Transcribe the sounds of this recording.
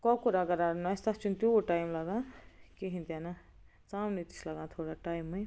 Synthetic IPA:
kɔkuɾaɡɐɾaɾnast̪at͡ʃunt̪uoʈajmlaɡãːkeɦĩnt̪jana | t͡saːmnit̪i̥slaɡãt̪ʰoːɽaʈajmːɐj

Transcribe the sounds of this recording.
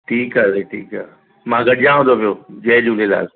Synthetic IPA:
ʈʰiːkaːseʈʰiːka | mãːɡɐɗɪjãɦũnd̪opijoːd͡ʑɐɦd͡ʑuːlela̰ːl

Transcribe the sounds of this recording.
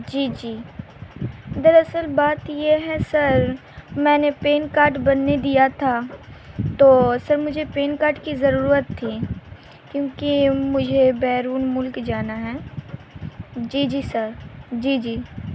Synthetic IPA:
d͡ʒiːd͡ʒiː | d̪əɾəsəlbaːt̪jeɦɛsɐɾ | mɛ̃ːnepeːnkaːɾʈbɐnːed̪ijat̪ʰa | t̪oːsɐɾmʊd͡ʒʱepeːnkaːɾʈkizɐɾuːɾət̪ʰːi | kjõːkimʊd͡ʒʱebɛːɾuːnmʊlkd͡ʒaːnaɦɛː | d͡ʒiːd͡ʒiːsəɾd͡ʒiːd͡ʒiː

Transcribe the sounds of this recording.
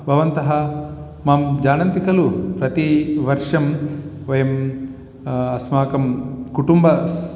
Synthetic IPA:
bʱɐʋɐnt̪ɐɦɐ | maːmd͡ʒaːnɐnt̪ikɐlupɾɐt̪iʋɐɾʂɐmʋɐjɐm | ɐsmaːkɐmkuʈumbɐs

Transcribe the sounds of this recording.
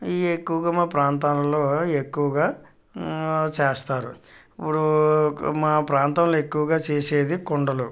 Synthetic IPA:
iekːuʋɐɡaːmaːpɾaːnt̪aːnɐlo̞ːekːuʋɐɡaː | t͡ʃeːst̪aːɾu | ipːuɽu | maːpɾaːnt̪ɐmlo̞ːe̞kːuʋɐɡaːt͡ʃeːseːd̪ikoɳɖɐlu

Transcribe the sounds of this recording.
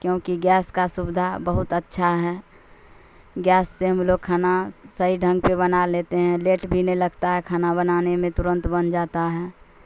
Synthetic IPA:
kjõːkiɡɛːskasʊbɪd̪ʱabəɦʊt̪ətːʃʰaɦɛː | ɡjɛːsːeɦəmloːɡ̚kʰaːnasəɦiɖʱə̃ŋɡpebənaleːt̪eɦɛ̃leːʈbʱinələɡt̪aɦɛkʰaːnabənaːnemẽt̪ʊɾə̃nt̪bənd͡ʒaːt̪aɦɛː

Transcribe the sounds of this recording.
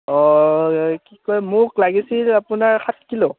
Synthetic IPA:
ɔ | kikɔjmʊklaɡisilapunaɹxʰat̚ʰkilɔ

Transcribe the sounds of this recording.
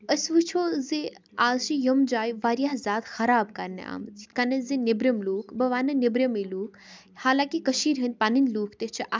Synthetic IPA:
əsʋɨt͡ʃʰoːze | aːzʃijɐmd͡ʒaːjʋaːɾjaɦzʲaːt̪xɐɾaːbkɐɾnḛa̰ːmikɐnɐzinɪbɾɐmluːkʰbɐʋaːnɐnɪbɾʲɐmeluːk | haːlaːkikəʃiːɾɦɐnpaninluːkʰt̪et͡ʃʰiʔa

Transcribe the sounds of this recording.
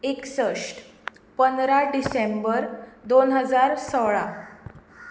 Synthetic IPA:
eksəʂʈ | pənd̪ɾaɖisembəɾd̪onɦəd͡zaɾsɔɭa

